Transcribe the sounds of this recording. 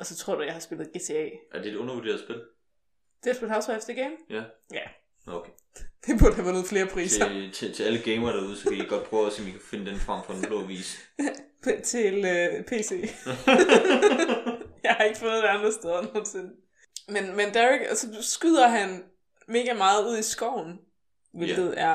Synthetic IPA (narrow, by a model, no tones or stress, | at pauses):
ʔɒ̽sɒ̽t͡sʰʁɔ̝ɐd̥ujɑ̈ɪhɑ̈sb̥e̝lð̞̩ˠɡ̥e̝ːt͡sʰe̝ɛ̰ːʔæɐd̥e̝ɔ̽nɐʋuɐd̥e̝̰ɐðˠsb̥e̝l | d̥esb̥ehɑʊsefd̥ɐɡ̥eɪmjjæ | okʰe | d̥eb̥uɐd̥hæʋænoːð̩ˠfle̝ːɐpʰʁḭːsɐt͡sʰet͡sʰe̝æləɡ̥eɪmɐɾ̥ɑuð̞ˠsɒe̥iɡ̥ɒ̽d̥̚pʰʁœʊɒsḭmikʰæ̥fe̝nəd̥enfʁɑ̈m̰fɒ̽nb̥ʰloɐʋḭːsʰ | t͡sʰe̝lpʰe̝̰ːse̝̰ː | jɑ̈hɑ̈e̝ɡ̥əfɔ̽ːð̞̩ˠd̥eɑ̈nd̥ʁɐsd̥eð̞ˠɐnoːn̩se̝n | menmend̥æiɡ̥ɒsɒ̽sɡ̥yð̰ˠɐɦæn | me̝ːɡ̥æmɑ̈ːð̞̩ˠuð̞̰ˠisɡ̥ɒʊ̰n̩ | ʋe̝lɡð̞̩ˠæɐ